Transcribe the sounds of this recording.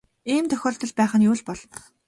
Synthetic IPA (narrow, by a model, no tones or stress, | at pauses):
iːmt̪ʰœxʲɔːɬt̪ɞ̆ɮpæːχə̆njuːɮpɔɮɞ